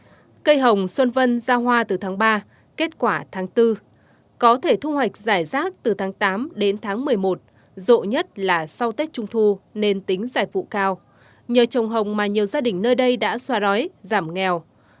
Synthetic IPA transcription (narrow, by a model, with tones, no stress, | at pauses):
kə˧jɦə˨˩wŋ͡mswə˧nvə˧nzaː˧ɦwaː˧t̪ɨ˨˩t̪ʰaː˨˦ŋɓaː˧ | ke˦˥t̚kwaː˧˩t̪ʰaː˨˦ŋt̪ɨ˧ | kɔ˨˦t̪ʰe˧˩t̪ʰu˧hwa˨˩jk̟̚zaː˧˩jzaː˦˥k̚t̪ɨ˨˩t̪ʰaː˨˦ŋt̪aː˨˦mɗe˨˦nt̪ʰaː˨˦ŋmɨ˨˩əjmo˨˩t̚ | zo̰˧˨ɲə˦˥t̚laː˨˩sa˧wt̪e˦˥k̚t͡ɕʊ˧ŋ͡mt̪ʰu˧ne˧nt̪ï˨˦ŋ̟zaː˧˩jvṵ˧˨kaː˧w | ɲəː˨˩t͡ɕə˨˩wŋ͡mɦə˨˩wŋ͡mmaː˨˩ɲi˨˩əwzaː˧ɗï˨˩ŋ̟nəː˧jɗə˧jɗa̰ː˧˥swaː˧ɗɔ˨˦jzaː˧˩mŋɛ˨˩w